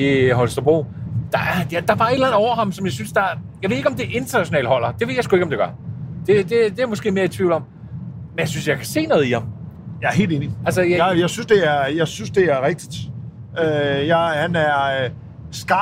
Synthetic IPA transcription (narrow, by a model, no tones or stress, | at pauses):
iɦɒlsd̥ɐb̥ʁo̰ːd̥ɑæɐjad̥ɑ̈b̥ɑ̈ːe̝d̥lænð̩ˠɒ̰ʊɐɦɑ̈msɒ̽mjɑ̈ɪsynsd̥ɑjɑʋe̝eɡ̥ɒmd̥e̝ʔe̝nd̥ɐnæɕo̝nɛ̰ːlhɒ̽l̰ɐd̥e̝ʋe̝ðˠjasɡ̥ue̝ɡ̥ɒ̽md̥e̝ɡ̥ɶɐd̥e̝d̥e̝d̥e̝æɐmɔsɡ̥e̝̰ːmeːɐit͡sʰʋiʊlɒ̽m̰ | menjaɪsynsjɑ̈ɪkʰæ̥se̝̰ːnɔ̽ð̩ˠihɑ̈mjɑ̈æɐɦe̝̰lde̝ːniælsəjjɑ̈ɪsynsd̥e̝æɐjɑ̈ɪsynsd̥e̝æɐʁɛɡ̥̚d̥i̥d̥ | øjɑɪhænæɐ | sɡ̥ɑ